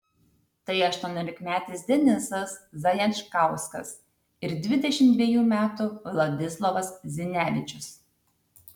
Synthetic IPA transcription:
t̪ɐɪɐʃt̪uɔnʲoːlʲɪkmʲæːt̪ʲiːsd̪ʲɛnʲɪsɐszɐjɛnʃkɑˑʊskɐ̰s | ɪɾd̪ʲʋʲɪd̪ʲɛʃʲɪmt̪ʲʋʲiɛjuːmʲæːt̪ʊlˠɐd̪ʲɪslˠɐʋɐszʲɪnʲæːʋʲɪt͡ʃʲʊs

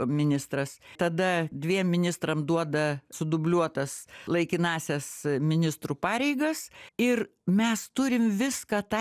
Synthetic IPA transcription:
mʲɪnʲɪst̪rɐst̪ɐd̪ɐd̪ʲʋʲiɛmːʲɪnʲɪst̪ɾɐmd̪uɔd̪ɐsʊd̪ʊbʲlʲuɔt̪ɐslˠɐɪkʲɪnɑːsʲɛsmʲɪnʲɪst̪ɾupɑːɾʲɛɪɡɐsɪr | mʲɛst̪ʊɾʲɪmʋʲɪskɐt̪ɑ

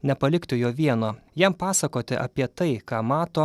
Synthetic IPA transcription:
nʲɛpɐlʲɪkt̪ʲɪjoːʋʲiɛnoːjɛmpɑːsɐkoːt̪ʲɪʔɐ̰pʲiɛt̪ɐɪkɑːmɑːt̪oː

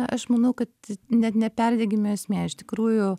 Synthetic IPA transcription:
ʔɐʃmɐnɐʊkɐt̪nʲɛt̪nʲɛpʲɛrʲd̪ʲɛɡʲɪmʲesʲmʲeːɪʃt̪ʲɪ̥kɾuːjʊ

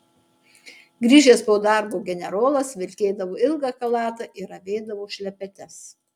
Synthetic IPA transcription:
ɡɾʲiːʒʲeːspoːd̪ɑˑɾboːɡʲɛnʲɛɾoːlˠɐsʋʲɪɾʲkʲeːd̪ɐʋoːɪlˠɡɑːkɐlˠɑːt̪ɑʔɪɾɐʋʲɛːd̪ɐʋoːʃʲlʲɛpʲɛt̪ʲɛs

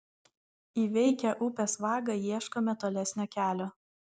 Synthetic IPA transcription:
iːʋʲɛɪkʲɛʔʊpʲesʋɑːɡɐjiɛʃkoːmʲɛt̪oːlʲɛsʲnʲoːkʲæːlʲoː

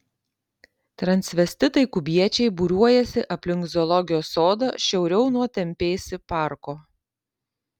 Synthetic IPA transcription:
t̪ɾɐnʲsʲʋʲɛsʲt̪ʲɪt̪ɐɪkʊbʲiɛt͡ʃʲɛɪbʊɾʲuɔjɛsʲɪʔɐpʲlʲɪŋkzʲɔlˠɔɡʲɪjoːsoːd̪ɐ̰ʃʲɛʊɾʲɛʊnuɔt̪ʲɛmʲpʲeːsʲɪpɑˑɾkoː

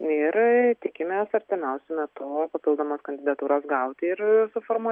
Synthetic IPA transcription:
ɪɾt̪ʲɪkʲɪmʲeːsɐɾʲt̪ʲɪmʲɛʊsʲɛmʲɛt̪ʊpɐpʲɪlˠd̪oːmɐskɐnʲd̪ʲɪd̪ɐt̪uːɾosɡɐʊt̪ʲɪɾsʊfoːɾmuɔ

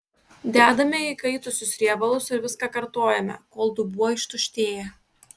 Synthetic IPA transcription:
d̪ʲæːd̪ɐmʲɛɪkɐɪt̪ʊsʲʊsɾʲiɛbɐlˠʊsɪɾʋʲɪskɑːkɐɾt̪oːjɛmʲɛ̰koːlˠd̪ʊbuɔɪʃt̪ʊʃʲt̪ʲeːjɛ

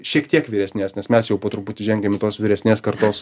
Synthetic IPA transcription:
ʃʲiɛkt̪ʲiɛkʋʲɪɾʲɛsʲnʲeːsnʲɛsmʲɛsjɛʊpoːt̪ɾʊput̪ʲɪʒʲɛŋʲɡʲemʲɪt̪oːsʋʲɪɾʲɛsʲnʲeːskɐɾt̪oːs

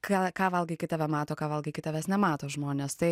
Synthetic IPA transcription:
kɑkɑːʋɐlˠɡʲɪkʲɪt̪ɐʋʲɛmɑːt̪oːkɑːʋɐlˠɡʲɐɪkʲɪt̪ɐʋʲɛsnʲɛmɑːt̪oːʒmoːnʲeːst̪ɐɪ

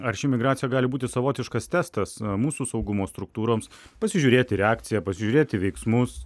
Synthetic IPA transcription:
ɐɾʃʲɪmʲɪɡɾɑːt̪sʲɪjɛɡɑːlʲɪbuːt̪ʲɪsɐʋoːt̪ʲɪʃkɐst̪ʲæːst̪ɐsmuːsusɐʊɡʊmoːst̪ɾʊk̚t̪uːɾoːms | pɐsʲɪʒʲuɾʲeːt̪ʲɪɾʲɛɑːkt̪sʲɪjɛpɐsʲɪʒʲuːɾʲeːt̪ʲɪʋʲɛɪksmʊs

